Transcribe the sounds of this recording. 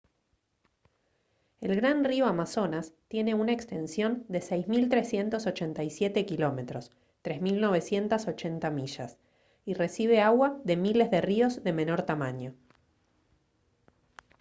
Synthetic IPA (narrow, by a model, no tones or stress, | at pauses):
e̞lɣɾanrioamaso̞nast̪je̞ne̞unaekst̪e̞nsjo̞nd̪e̞sejzmilt̪ɾe̞sje̞nt̪o̞so̞t͡ʃe̞nt̪ajsje̞t̪e̞kilo̞me̞t̪ɾo̞s | t̪ɾe̞zmilno̞β̞e̞sje̞nt̪aso̞t͡ʃe̞nt̪amiʒa̰s | ire̞siβe̞aɣwaðe̞mile̞zðe̞rio̞zðe̞me̞no̞ɾt̪amãɲo̞